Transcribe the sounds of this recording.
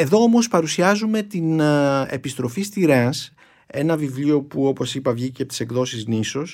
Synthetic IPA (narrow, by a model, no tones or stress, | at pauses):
e̞ðo̞omo̞spɐɾusiɐzume̞t̪ine̞̰pist̪ɾo̞fist̪iɾɐs | e̞nɐvivlio̞puo̞po̞sipɐvʝicet̪ise̞ɡðo̞sizniso̞s